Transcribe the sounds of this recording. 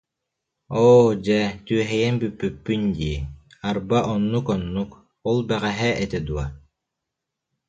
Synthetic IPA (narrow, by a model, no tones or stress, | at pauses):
ɔːd͡ʑɛt̪yɛɦɛjɛnbypːypːynd̪iːaɾbaʔɔnːukɔnːuk | ɔlˠbɛʁɛɦɛɛt̪ɛd̪ua